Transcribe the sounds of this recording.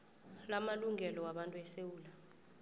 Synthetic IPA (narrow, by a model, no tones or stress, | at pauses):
lamaluŋʱɛlɔwaɓantʼuɛsewuːla